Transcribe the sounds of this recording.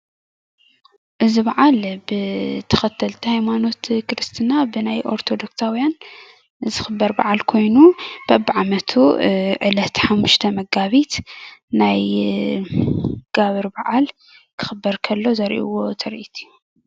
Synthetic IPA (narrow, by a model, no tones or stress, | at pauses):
ʔɨziβɐʕalbɨt̪ʰɐ̥xɐt̪ʰːɐlt̪ʰihajmano̞t̪kʰɾɨst̪ʰɨnabɨnajʔo̞̰ɾt̪ʰo̞d̪o̞ksawijan | zɨxɨbːɐɾbaʕalkʰo̞jnub̥abːʕamɐt̪ʰuʕɨlɐt̪ħamːuʃt̪ʰɐmɐɡaβit̪naj | ɡ̥aβɨɾbaʕal | kʰɨ̥xɨbɐɾkʰɐlːo̞zɐɾʔḭwo̞t̪ʰɐɾʔit̪ʰɨju